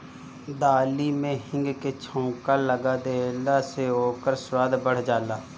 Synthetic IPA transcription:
d̪aːlimẽɦɪ̃ŋɡket͡ʃʰõːkaləɡad̪elaseɦoːkəɾswaːd̪bəɽ̤d͡ʒaːlaː

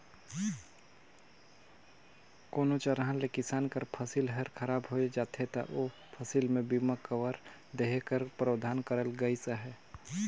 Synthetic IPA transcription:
koːnot͡ʃəɾɦãnlekɪsaːnkəɾpʰəsilɦɛɾkʰəɾaːbɦoːed͡ʒaːt̪ʰɦet̪a̰ʔo | pʰəsilmẽbimakəwəɾ | d̪eɦekəɾpɾəwd̪ʱaːnkəɾəlɡəisəɦɛː

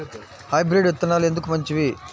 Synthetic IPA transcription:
hɐjbɾeɖʋet̪ːɐnːaːlue̞nd̪ukumɐɲt͡ʃiʋi

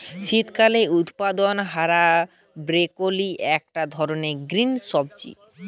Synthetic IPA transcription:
ʃit̪kaleut̪pad̪onɦaɾa | bɾekoliʔɛk̚ʈad̪ʱɔɾoneɡɾinʃɔb̚d͡ʑḭ

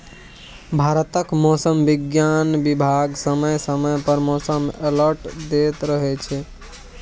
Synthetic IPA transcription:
bʱaɾət̪əkmosəmbiɡjanbibʱaɡsəməjsəməjpəɾmosəmeləɾʈd̪et̪ɾəɦɛt͡ʃʰɛ

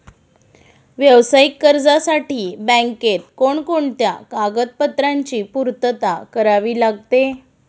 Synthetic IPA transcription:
ʋjəʋsaikːəɾd͡zasaʈiːbə̃ŋket̪̚koɳkoɳt̪jakaɡət̪̚pət̪ɾaɲt͡ɕiːpuɾt̪ət̪akəɾaʋiːlaɡt̪e

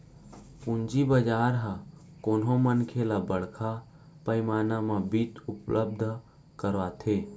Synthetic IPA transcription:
pʊnd͡ʒibəd͡ʒaːɾɦa | koːnɦomənkʰelabəɽ̤kʰa | pəɪmaːnamabit̪ʊplʔəb̚d̪ʱ | kəɾat̪ʰeː

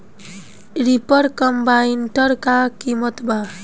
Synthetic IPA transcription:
ɾipʌɾkʌmbainʈʌɾkakimʌt̪bʱa

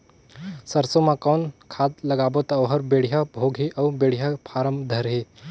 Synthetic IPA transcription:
sɐɾsomãkɔːnkʰaːt̪lɐɡaːbot̪aʋɦɐɾbeːɽ̤ijabʱoːɡʱɦiʔɐːbeːɽ̤ijapʰaːɾəmd̪ʱɐɾɦeː

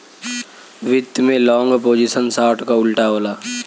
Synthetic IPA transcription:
ʋɪt̪ːmẽlɔ̃ːŋɡəpoːd͡ʒisənsaːʈkaʊlʈaɦoːlaː

